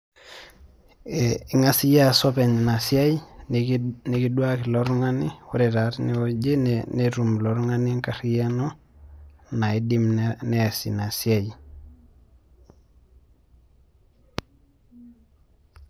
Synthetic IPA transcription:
ŋasijasopeɲnasiaj | nikiduakiloɾŋaniwuɾeɾaɾniod͡ʒeneɾumloɾuŋaniŋkaɾijano | naidimnesḭnasiaj

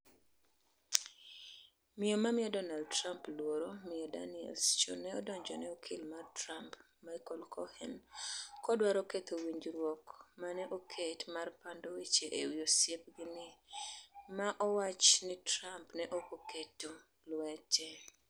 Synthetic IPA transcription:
mɪomamɪɔdɔnald̚tɾamplwoɾomɪɔda̰nɪɛ̰lst͡ʃo̰nɛɔdɔɲd͡ʒɔnɛokʰɪlmartɾamp | majkɔlkʰɔhɛnkɔdwaɾɔket̪owiɲd͡ʒɾwɔkmanɛʔokʰetmarpandowet͡ʃeʔewiosjep̚ɡɪnɪ | maʔɔwat͡ʃnɪtɾampnɛʔokoketo | lwɛt͡ʃɛ

